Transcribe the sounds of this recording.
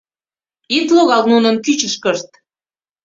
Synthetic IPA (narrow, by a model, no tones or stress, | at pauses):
it̪loɣɑlnunə̆nkyt͡ɕəʃkəʃt̪